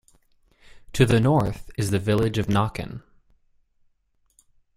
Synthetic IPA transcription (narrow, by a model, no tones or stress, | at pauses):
tʰɨðɨnɔɹθɨzðɨvɪlˠɪd͡ʒʌvnɑkɨ̰̃n